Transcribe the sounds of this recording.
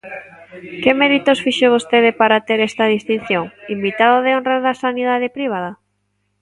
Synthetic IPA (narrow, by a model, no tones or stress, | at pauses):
kemɛðit̪osfiʃoβ̞ost̪eðɪpaɾat̪eɾɛst̪ɐðist̪in̟θjoŋimbit̪aðoðeonreðasaniðaðɪpɾiβ̞aða